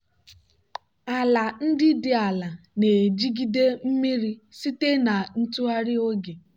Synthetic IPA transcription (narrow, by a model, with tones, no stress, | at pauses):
a˨la˨n̩˦dɪ˦dɪ˨a˨la˨ne˨d͡ʒi˦ɡi˦de˦m̩˦mi˦ɾi˦si˦te˦na˨n̩˦tu˦a˦ɾɪ˦o˦ɡe˨